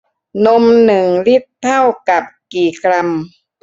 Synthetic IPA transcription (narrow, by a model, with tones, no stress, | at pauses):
no˧mnɯ˨˩ŋli˦˥˩tt̪ʰːa˥˩wka˨˩p̚kiː˨˩kʰɾa˧m